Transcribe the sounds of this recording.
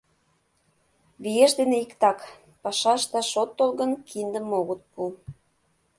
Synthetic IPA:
βijeʃd̪eneikt̪ɑk | pɑʃɑʃt̪ɑʃot̪ːolɣə̆nkʰind̪ə̆moɣət̪̚pu

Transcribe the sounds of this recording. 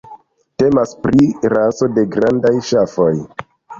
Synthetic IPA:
te̞maspɾiɾaso̞de̞ɡɾandajʃafo̞j

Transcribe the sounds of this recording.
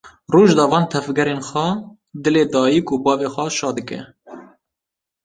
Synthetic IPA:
ruːʒd̪ɑːvɑːnt̪ʰɛvɡɛɾenxʷɛ | d̪ɨleːd̪ɑːjikubɑːveːxʷɛʃɑːd̪ɨkɛ̰

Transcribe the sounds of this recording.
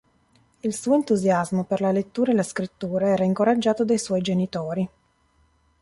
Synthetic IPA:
ilsuːoent̪uzjazmoperlalet̪ːuːɾaelaskɾit̪ːuːɾaɛːɾaiŋkoɾad͡ʒːaːt̪od̪ajswɔjd͡ʒenit̪oːɾi

